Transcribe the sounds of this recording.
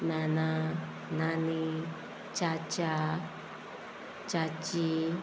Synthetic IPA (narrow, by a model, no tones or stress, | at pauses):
nãnã | nãnĩ | t͡ʃat͡ʃa | t͡ʃat͡ʃi